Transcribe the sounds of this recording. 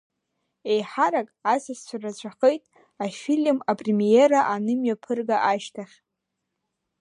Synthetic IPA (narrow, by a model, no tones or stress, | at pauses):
e̞jħaɾakʼasast͡ʃʷʰarat͡ɕʷʰaχejtʼ | afilmapʼremijeɾaʔanɨmɥapʰɨrɡaʔaʃtʰaχʲ